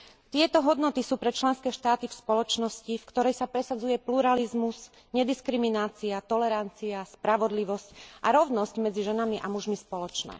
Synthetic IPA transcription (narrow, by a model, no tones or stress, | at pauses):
t̪ɪɛt̪ɔɦɔd̪nɔt̪isuːpɾɛt͡ʃlɛnskɛːʃt̪aːt̪ifspɔlɔt͡ʃnɔscifkt̪ɔɾɛjsapɾɛsad͡zujɛpluɾalizmus | ɲɛd̪iskɾiminaːt͡siat̪ɔlɛɾant͡siaspɾaʋɔd̪liʋɔscʔaɾɔʊnɔscmɛd͡ziʒɛnamiʔamuʒmispɔlɔt͡ʃnɛ̰ː